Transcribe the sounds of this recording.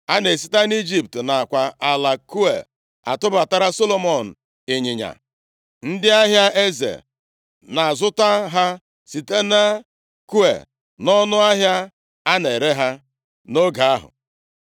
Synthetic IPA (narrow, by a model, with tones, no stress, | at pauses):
a˦ne˨si̥˦ta˦ni˦d͡ʒi˦p̚tna˨a˨kʷa˨a˨la˨ku˦e˨ | a̰˨tʊ˦ba˨ta˦ɾa˦so˦lo˦mɔ˨n̩˨ | ɪ˨ɲɪ˨ɲa̰˨ | n̩˦dɪ˦a˦ɦja˦ʔe˦zḛ˨ | na˨a˨zʊ˦ta˦ɦa˦ | si˨te˦na˦ | ku˦ḛ˨ | nɔ˦nʊ˦a˦ɦja˦ | a˦ne˨ɾe˦ɦa˦ | no˦ɡa˨a˦ɦʊ̰˨